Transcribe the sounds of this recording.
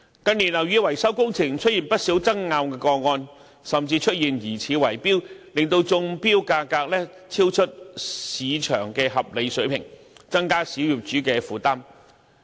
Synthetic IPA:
kɐ˧nniː˨˩nlɐ˨˩wjyː˨˥wɐ˨˩jsɐ˥wkʊ˥ŋt͡sʰɪ˨˩ŋt͡ʃʰɵ˥t̚jiː˨npɐ˥t̚si˨˥wt͡sɐ˥ŋŋaː˧wkɛː˧kɔː˧ŋɔː˧n | sɐ˨mt͡siː˧t͡ʃʰɵ˥t̚jiː˨˩njiː˨˩t͡sʰiː˨˧wɐ˨˩jpiː˥wlɪ˨˩ŋt̪o˧wt͡sʊ˧ŋpiː˥wkaː˧kaː˧k̚lɛː˥ | t͡sʰiː˥wt͡ʃʰɵ˥t̚siː˨˧t͡ʃʰœː˨˩ŋkɛː˧ɦɐ˨p̚le˨˧jsɵ˨˥ɥpʰɪ̰˨˩ŋ | t͡sɐ˥ŋkaː˥siː˨˥wjyː˨˩p̚t͡ʃyː˨˥kɛː˧fuː˨˧t̪aː˥m

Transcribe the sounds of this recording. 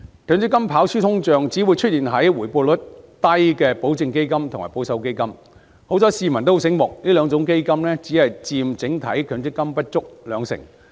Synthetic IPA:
kʰœː˨˧˥nt͡sɪ˥kːɐ˥mpʰaː˨˥wsyː˥t̪ʰʊ˥ŋt͡ʃœː˧ŋt͡si˨˥wu˨˧jt͡ʃʰɵ˥t̚iː˨nɦɐ˨˥jwuː˨˩jpɔː˧lʊ˨˥t̚t̪ɐ˥jkɛː˧po˨˥wt͡sɪ˧ŋke˥jkɐ˥mt̪ʰʊ˨˩ŋmaː˨˩po˨˥wsɐ˨˧wke˥jkɐ˥m | ho˨˥wt͡sɔː˨˥siː˧mɐ˨˩nt̪o˥˧sɪ˨˥ŋmʊ˨k̚liː˥lœː˨˧ŋt͡sʊ˨˥ŋk̬e˥jkɐ˥mlɛː˥t͡siː˨˥hɐ˨jt͡siː˧mt͡sɪ˨˥ŋt̪ʰɐ̰˨˥jkʰœː˨˧˥ŋt͡sɪ˥kːɐ˥mpɐ˥t̚t͡ʃʊ˥k̚lœː˨˧ŋsɪ̰˨˩ŋ

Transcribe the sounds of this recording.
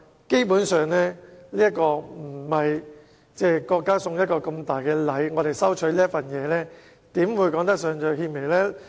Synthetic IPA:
ke˥jpuː˨˥nsœː˨˧ŋlɛː˥liː˥jɐ˥t̚kɔː˧m̩˨˩hɐ˨j | t͡sɛː˥kɔː˧kːaː˥sʊ˧ŋjɐ˥t̚kɔː˧kɐ˧mt̪aː˨jkɛː˧lɐ˨˥jŋɔː˨˧t̪e˨˩jsɐ˥wt͡ʃʰɵ˨˥liː˥ɐ˥fɐ˨njɛː˨˧lɛː˥ | t̪iː˨˥mwuː˨˧˥jkɔː˨˥ŋt̪ɐ˥k̚sœː˨˧ŋt͡sœ˨˧hiː˧me˨˩lɛː˥

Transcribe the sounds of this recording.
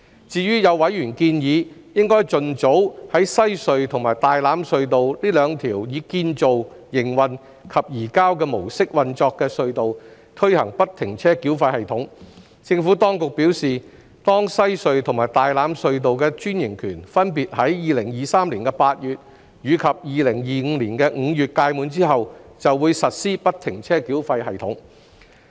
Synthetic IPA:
t͡siː˨ɥyː˥jɐ˨˧wwɐ˨˥jyː˨˩nkiː˧njiː˨˧jɪ˥ŋkɔː˥jt͡sɵ˨nt͡so˨˥whɐ˨˥jsɐ˥jsɵ˧ɥt̪ʰŋmaː˨˩jt̪aː˨jlaː˨˥msɵ˧ɥt̪o˨wliː˥lœː˨˧ŋt̪ʰiː˨˩wjiː˨˧kiː˧nt͡so˨w | jɪ˨˩ŋwɐ˨n | kʰɐ˨p̚jiː˨˩kaː˥wkɛː˧mo˨˩wsɪ˥k̚wɐ˨nt͡ʃɔː˧kːɛː˧sɵ˧ɥt̪o˨w | t̪ʰɵ˥ɥhɐ˨˩ŋpɐ˥t̚t̪ʰɪ˨˩ŋt͡sʰɛː˥kiː˨˥wfaː˧hɐ˨jt̪ʰʊ˨˥ŋ | t͡sɪ˧ŋfu˨˥t̪ɔː˥ŋkʊ˨k̚piː˨˥wsiː˨ | t̪ɔː˥ŋsɐ˥jsɵ˨˧ɥt̪ʰʊ˨˩ŋmaː˨˩jt̪aː˨jlaː˨˥msɵ˧ɥt̪̬o˨wkɛː˧t͡ʃyː˥njɪ˨˩ŋkʰyː˨˩nfɐ˥npiː˨t̚ɦɐ˨˥jjiː˨lɪ˨˩ŋjiː˨˧saː˥mliː˨˩nkɛ˧paː˧t̚jyː˨t̚ | jyː˨˧kʰɐ˨p̚jiː˨˧lɪ˨˩ŋjiː˨ŋ̩ː˨˧liː˨˩nkɛː˧ŋ̩˨˧jyː˨t̚kaː˧jmuː˨˧nt͡siː˥ɦɐ˨wt͡sɐ˨wwuː˨˧jsɐ˨t̚siː˥pɐ˥t̚t̪ʰɪ˨˩ŋt͡sʰɛː˥kiː˨˥wfɐ˧jɦɐ˨jt̪ʰʊ˨˥ŋ

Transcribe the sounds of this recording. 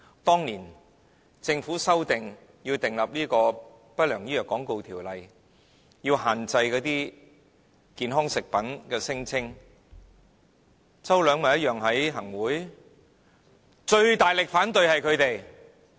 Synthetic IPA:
t̪ɔː˥ŋniː˨˩n | t͡sɪ˧ŋfuː˨˥sɐ˥wt̪ɪ˨ŋ | ji˧wt̪ɪ˨˩ŋlɐ˨˩p̚liː˥kɔː˧ | pɐ˥t̚lœː˨˩ŋjiː˥jœː˨˩kːɔː˨˥ŋko˨˧wt̪ʰiː˨˩wlɐ˨j | jiː˧whaː˨nt͡sɐ˧jkɔː˨˧˥t̪iː˥ | kiː˨˧nɦɔː˥ŋsɪ˨k̚pɐ˨˥nkɛː˧sɪ˥ŋt͡sʰɪ˥ŋ | t͡sɐ˥wlœː˨˧ŋmɐ˨˩jɐ˥jœː˨ŋɦɐ˨˥jɦɐ˨˩ŋwuː˨˥j | t͡ʃɵ˧ɥt̪aː˨˩jlɪ˨k̚faː˨˥nt̪ɵ˨˧ɥhɐ˨jkʰɵ˨˧ɥt̪e˨j

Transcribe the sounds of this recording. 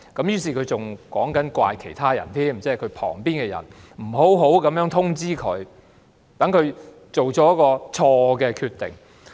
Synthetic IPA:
kɐ˨˥mjyː˥s̬iː˨˩kʰɵ˨˧ɥt͡sʊ˨ŋkɔː˨˥ŋkɐ˨˥nkwa̰ː˧jkʰe˨˩jt̪ʰaː˥jɐ̰˨˩nt̪ʰiː˥m̩t͡sɛː˥kʰɵ˨˧ɥpʰɔ̰ː˨˩ŋpiː˥nkɛ˧jɐ̰˨˩n | m̩˨˩ɦo˨˥wɦo˨˥wkɐ˨˥mjœː˨˥ŋt̪ʰʊ˥ŋt͡siː˥kʰɵ˨˧˥ɥ | t̪ɐ˨˥ŋkʰɵ˨˧ɥ | t͡so˨wt͡sɔː˨˥jɐ˥kɔː˧t͡ʃʰɔː˧kɛː˧kʰyː˧t̪ɪ̰˨˩ŋ

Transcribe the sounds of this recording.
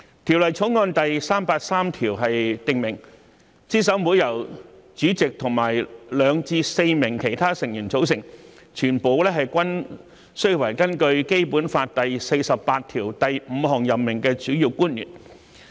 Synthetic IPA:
t̪ʰi˨˩wlɐ˨˩jt͡sʰoʊ˨˥wŋɔː˧nt̪ɐ˨jsaː˥mpaː˧t̚saː˥mt̪ʰiː˨˩wɦɐ˨jt̪ɪ˨ŋmɪ˨˩ŋ | t͡siː˥s̬ɐ˨˥wmuː˨˧jɐ˨˩wt͡syː˨˥t͡sɪ˨k̚t̪ʰʊ˨˩ŋmaː˨˩jlœː˨˧ŋt͡siː˧se˧jmɪ˨˩ŋkʰe˨˩jt̪ʰaː˥sɪ˨˩ŋjyː˨˩nt͡so˨˥wsɪ˨˩ŋ | t͡ʃʰyː˨˩npo˨˧wlɛː˥ɦɐ˨jkʷɐ˥n | sɵ˥ɥwɐ˨˩jkɐ˥nkɵ˧ɥke˥jpuː˨˥nfaː˧t̚t̪ɐ˨jse˧jsɐ˨ppaː˧t̚t̪ʰiː˨˩wt̪ɐ˨jm̩˨˧hɔː˨˩ŋjɐ˨pmɪ˨˩ŋkɛː˧t͡syː˨˥jiː˧wkuː˥njy̰ː˨˩n

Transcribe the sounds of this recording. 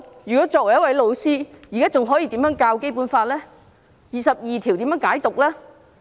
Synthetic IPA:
jyː˨˩kɔ˨˥t͡sɔː˧˨k̚wɐ˨˩j̚wɐ˨˥jlo˨˧wsiː˥ji˨˩kaː˥t͡sʊ˨ŋɦɔː˨˥ji˧t̪iː˨˥mjœ˨˥ŋkaː˧wke˥jpu˨˥nfaː˧t̚lɛː˥ | jiː˨sɐ˨p̚jiː˨t̪ʰi˨˩wt̪iː˨˥mjːŋkaː˨˥jt̪ʊ˨k̚lɛː˥

